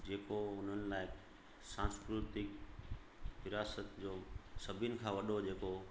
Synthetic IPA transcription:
d͡ʑeːkoʊn̤ənɪ̆laːɪ | sãːskɾʊt̪ɪk | ʋɪɾaːsət̪d͡ʑoːsɐbʱɪnɪ̆kʰãːʋɐɗod͡ʑeːko

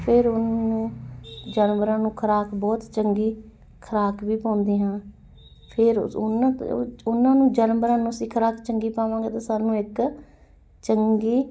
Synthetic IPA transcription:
pʰɪɾʊnnũːd͡ʒənʋəɾãːnũːkʰəɾaːkbɔːt̪t͡ʃəŋɡiː | kʰəɾaːkʋiːpãːnd̪iːɦãː | pʰɪɾʊnaʊnãːnũːd͡ʒənbɾãːnũːəsĩːkʰəɾaːkt͡ʃəŋɡiːpãːʋãːŋɡeːt̪aːsaːnũːɪk | t͡ʃəŋɡiː

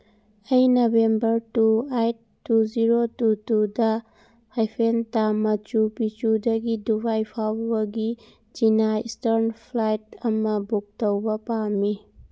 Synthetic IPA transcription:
ɐjnobembɐɾtuejtːud͡ʒiɾotutudɐ | hajpʰentamɐt͡ʃupit͡ʃudɐɡidubajpʰawɐɡi | d͡ʒinaistɐɾnpʰlajtɐmɐbuk̚tɐwbɐpami

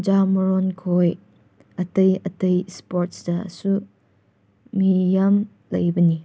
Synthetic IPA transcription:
d͡ʒamɾonkʰoj | ɐtɐjɐtɐjspoɾt̚sdɐ̰su | mijam | lɐjbɐni

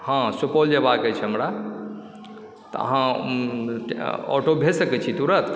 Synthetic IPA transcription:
hãsupold͡ʒebakɛt͡ʃʰɛɦəmɾa | t̪ə̰ə̰ɦã | ɔ̰ʈobʱesəkɛt͡ʃʰit̪uɾət̪

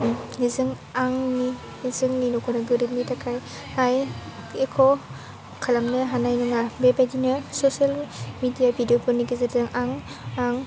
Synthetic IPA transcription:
nizɯŋ | aŋni | nizɯŋninɔkʰɔnaɡɯɾip̚nitakʰaj | haj | ekʰɔ | kʰalamnɯɦanajnɯŋabebajdinɯsosalmidijabʱidiopʰɯɾniɡizɯɾzɯŋaŋ | aŋ

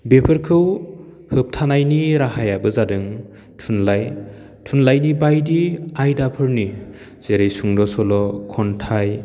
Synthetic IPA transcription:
bepʰɯɾkʰɯw | hɯp̚tʰanajniɾaɦajabɯzadɯŋ | tʰunlaj | tʰunlajnibajdiajdapʰɯɾni | z̥eɾejsuŋdɔsɔlɔkʰɔntʰaj

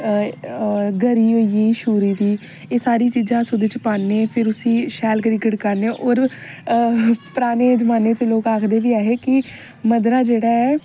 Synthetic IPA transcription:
ɡəɾiːɦoːiːeːiːʃuːɾiːd̪iː | eːsaːɾiːt͡ʃiːzãːsʊd̪eːt͡ʃpaːnːeːpʰɪɾʊsĩːʃɛːlɡəɾiːɡəɽkəɾneːʔoːɾ | pəɾaːneːd͡ʒəmaːneːt͡ʃəloːkaːkʰd̪eːʋiːaːɦeːkɪ | məd̪ɾaːd͡ʒeːɽaːɛː

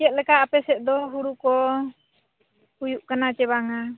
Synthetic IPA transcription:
t͡ʃɛt̪̚lɛkaʔapɛsɛt̪̚d̪ɔɦuɽukɔ | hujuʔkanat͡ʃɛβaŋa

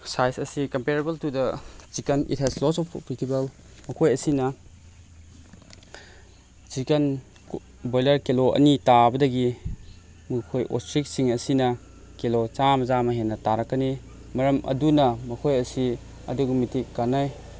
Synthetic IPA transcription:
sajsɐsikɐmpeɾebɐltudɐsikɐnḭt̚hɛzlɔsɔpkɾitʰibɐl | mɐkʰojɐsinɐ | sikɐn | bojlɐɾkeloɐ̰nitabɐdɐɡi | mukʰojʔo̰stɾik̚siŋɐsinɐ | kelot͡ʃamɐzamɐɦenːɐtaɾɐkːɐni | mɐɾɐmʔɐ̰dunɐmɐkʰojɐsi | ɐ̰duɡumitʰikːanaj

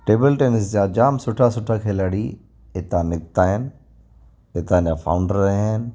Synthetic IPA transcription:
ʈeːbəlʈeːnɪs̬d͡ʑad͡ʑaːmsʊʈʰasʊʈʰakʰeːlɐɽi | ɪt̪ãnɪk̚t̪aːɦɪnɪ | ɪt̪ãnjafʰa̰ːʊ̃ɳɖəɾnɪ

